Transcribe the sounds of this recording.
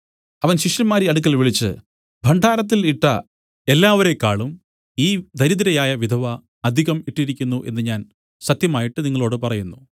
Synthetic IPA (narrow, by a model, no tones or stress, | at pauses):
ɐʋɐnɕiʂjɐmaːɾiɐɽuk̬ʲːɐlʋiɭit͡ɕːɨ̰ | bʱɐɳɖʱaːɾɐt̪̬ːiliʈːɐ̰ | e̞lːaːʋɐɾe̞kːaːɭum | iːd̪ʱɐɾid̪ɐɾɐjaːjɐʋid̪ʱɐʋɐ | ɐd̪ʱiɣɐmiʈːiɾikʲːunːuʔe̞̰nːɨɲaːn | sɐt̪jɐmaːjiʈːɨniŋːɐɭo̞ːɽɨpɐrɐjunːu